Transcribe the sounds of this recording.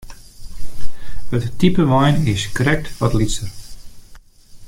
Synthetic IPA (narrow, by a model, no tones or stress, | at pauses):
hətːipəʋɔjnɪskrɛk̚tʋɔtlisər